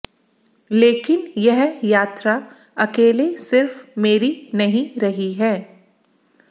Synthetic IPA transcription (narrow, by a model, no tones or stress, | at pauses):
leːkɪnjɛɦjaːt̪ɾa | ɐkeːlesɪɾfmeːɾinɐɦĩɾɐɦiɦɛː